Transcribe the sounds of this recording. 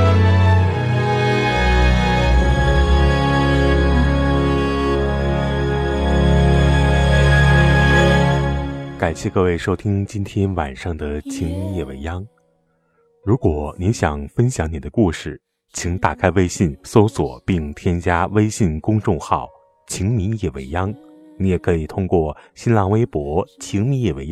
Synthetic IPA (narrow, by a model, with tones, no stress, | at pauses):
ka˨˩ɪɕjɛ˥˧kɤ˥˧we˥˩ɪʂo˥ʊt̪ʰi˥ŋt͡ɕi˥nt̪ʰjɛ˥nwa̰˨˩nʂɑ˥˩ŋd̪ə˩t͡ɕʰi˥ŋjɛ˥˩we˧˥ɪjɑ˥ŋ | ɻu˧˥kwɔ˨˩ni˧˥nɕjɑ˨˩ŋfə˥nɕjɑ˧˥ŋni˨˩d̪ə˦ku˥˧ʂɻ̩˥˩ | t͡ɕʰi˧˥ŋt̪a˨˩kʰa˥ɪwe˥ɪɕi˥˩nso˥ʊswɔ̰˨˩˦pi˥˩ŋt̪ʰjɛ˥nt͡ɕja˥we˥ɪɕi˥˩nkʊ˥ŋʈ͡ʂʊ˥˧ŋxɑ˥˩ʊ | t͡ɕʰi˧˥ŋmi˧˥jɛ˥˩wḛ˧˥ɪjɑ˥ŋ | ni˧˥jɛ˨˩kʰɤ˧˥i˨˩t̪ʰʊ˥ŋkwɔ˥˩ɕi˥nlɑ˧˥˩ŋwe˥ɪpwɔ˧˥t͡ɕʰi˧˥ŋmi˧˥njɛ˥˩we˧˥ɪj